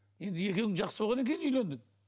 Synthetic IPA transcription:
je̞nd̪ɪje̞kʲe̞wɪŋʒɑqsəbolˠʁɑne̞kʲe̞j̪ɪnʏjle̞nd̪ɪŋ

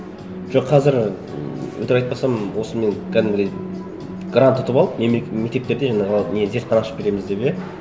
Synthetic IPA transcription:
ʒ̥o̞qʰːɑzɪɾ | ɵ̰t̪eɾɑjt̪̚pɑsɑmwo̞səme̞ŋkʲʰæd̪ɪmbɪd̪ej | ɡrant̪ʰːʊt̪əpɑlˠəpneme̞k̚ʲt̪ept̪eɾd̪eʒɑɴɑʁəne̞ze̞ɾt̪̚qʰɑnɑʃə̥p̚be̞ɾe̞mɪzd̪e̞bje

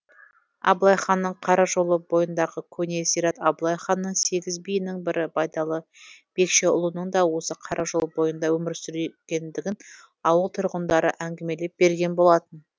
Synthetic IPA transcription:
ɑ̰blˠɑjχɑnːəɴqʰɑɾɑʒo̞lˠəbo̞jənd̪ɑʁəkʲʰɵnʲe̞sijɾɑt̪ɑblˠɑjχɑnːəɴse̞ɡʲɪzbijɪnɪŋbɪɾɪbɑjd̪ɑlˠəb̥e̞kʃe̞ʊ̰lˠənəɴd̪ɑwo̞səqʰɑɾʔɑʒo̞lˠbo̞jənd̪ɑwɵmɪɾsʏɾekʲe̞nd̪ɪɡʲɪn | ɑwəlˠt̪ʰʊɾʁənd̪ɑɾə̰ʔæŋɡʲeme̞le̞p̚b̥e̞ɾɡʲe̞nbo̞lˠɑt̪ən

